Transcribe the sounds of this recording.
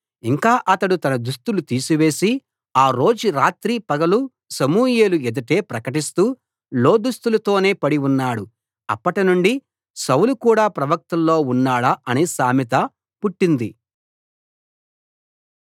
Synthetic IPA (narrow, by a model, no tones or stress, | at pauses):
iŋkaːʔɐt̪ɐɽut̪ɐnɐd̪ust̪ulut̪iːsiʋe̞ːsi | aːɾo̞ːd͡ʒuɾaːt̪ɾiːpɐɡɐlu | sɐmuːjeːlued̪ɐʈe̞ːpɾɐkɐʈist̪uː | lo̞ːd̪ust̪ulɐt̪o̞ːne̞ːpɐɽiunːaːɽu | ɐ̰pːɐʈinuɳɖi | sɐwlukuːɽaːpɾɐʋɐk̚t̪ɐlːo̞ːunːaːɽɐʔɐnisaːmit̪ɐ | puʈːind̪i